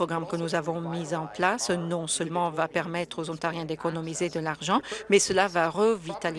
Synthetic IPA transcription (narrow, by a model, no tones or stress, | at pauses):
ɔɡʁamkənuzavɔ̃mizɑ̃plasnɔ̃sœlmɑ̃vapɛʁmɛt̪χozɔ̃t̪aʁjɛ̃d̪ekɔnɔmized̪əlaʁʒɑ̃mɛsəlavaʁəvit̪al